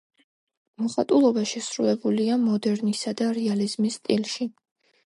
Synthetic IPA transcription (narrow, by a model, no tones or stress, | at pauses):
mɔχat̪ʼulˠɔbaʃɛsɾulɛbuliamɔd̪ɛɾnisad̪aɾɛalizmist̪ʼilʃi